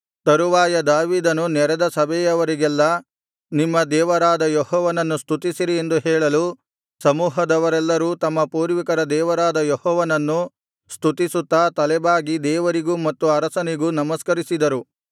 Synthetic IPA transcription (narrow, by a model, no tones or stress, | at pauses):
t̪ɐɾuʋaːjɐd̪aːʋiːd̪ɐnunɛɾɛd̪ɐsɐbʱɛjɐʋɐɾiɡɛlːɐ | nimːɐd̪ɛːʋɐɾaːd̪ɐjɔɦɔːʋɐnɐnːust̪ʰut̪isiɾiend̪uɦɛːɭɐlu | sɐmuːɦɐd̪ɐʋɐɾɛlːɐɾuːt̪ɐmːɐpuːɾʋikɐɾɐd̪ɛːʋɐɾaːd̪ɐjɔhɔːʋɐnɐnːu | st̪ʰut̪isut̪ːaːt̪ɐlɛbaːɡid̪ɛːʋɐɾiɡuːmɐt̪ːuɐɾɐsɐniɡuːnɐmɐskɐɾisid̪ɐɾu